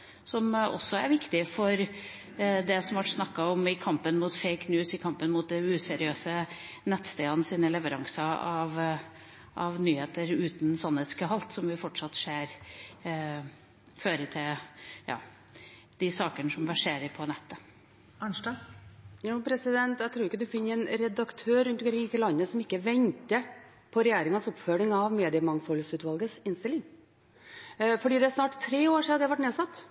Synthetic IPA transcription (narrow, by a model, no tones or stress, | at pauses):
sɔmɔ̰sːɔæɾʋɪkt̪ɪfɔɾ | d̪ɛsɔmʋɑʈsnɑkːɑɔmɪkʰɑmpənmuːt̪feɪknjʉːsɪkʰɑmpənmʊːt̪̚d̪ɛʉːsɛɾɪøːsənɛt̪ːst̪eːɑnəsiːnəlɛʋəɾɑŋsɑɑʋ | ʔɑʋnyːheːt̪əɾʉːt̪n̩sɑnːheːt̪skəɦɑlt̪sɔmʋɪfɔʈʂɑt̪ːʂeːɾ | føːɾət̪ʰɪljɑ̰ː | d̪̥ɪsɑːkəɳəʂɔmʋæʂeːɾəpʰɔnɛt̪ːə | ænʂʈɑjuːpʰɾɛsɪd̪ɛnt̪æt̪ʰɾuːɾɪkːəd̪ʉfɪnːəɾɛnɾɛd̪ɑkt̪ʰøːɾʉnt̪ɡɾɪt̪ɪlɑnːəsɔmɪkːəʋɛnt̪ə | pʰɔɾɛjeːɾɪŋənsɔpføːɾɪŋɑʋmeːd̪ɪəmɑŋfɔlsʉːt̪ʋɑlɡəsɪnst̪ɪlɪŋ | fɔɖiːd̪ɛæɾʂnɑːʈt̪ʰːɾeːoːɾʂiːɑd̪ɛæʋæʈneːsɑt̪ː